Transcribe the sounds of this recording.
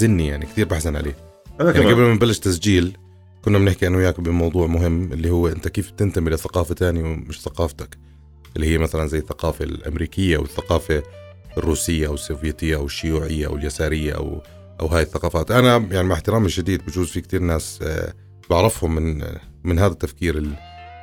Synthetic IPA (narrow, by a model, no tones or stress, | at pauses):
zɪnːijaʕnikt̪iːɾbaħsanʕa̰leː | jaʕiɡablmanbalːɪʃt̪asd͡ʒiːl | kʊnːamnɪħkiʔanːwɪjaːkbɪmɑwðˤuːʕmʊɦɪmːʔɪlːihʊwːʔɪnt̪akeːfb̚t̪ɪnt̪amilɪθːaqɑːfat̪aːniwmɪʃθaqɑːft̪ak | ʔɪlːihɪjːamaθalanzajːɪθːaqɑːfalʔa̰mɾiːkɪjːaʔwɪ̰θːaqɑːfa | rːuːsɪjːaʔawɪsːovjeːt̪ɪjːaʔawɪʃːʊjuːʕɪjːaʔa̰wɪljasaːɾɪjːa̰ʔa̰w | ʔawɦaːjɪθːaqɑːfaːt̪ʔanajaʕnimaɪħt̪ɪɾaːmɪlʃad̪iːd̪bɪd͡ʒuːzfikt̪iːɾnaːs | bɪʕɾɑfhʊmːɪnmɪnɦaːðat̪ːafkiːɾɪl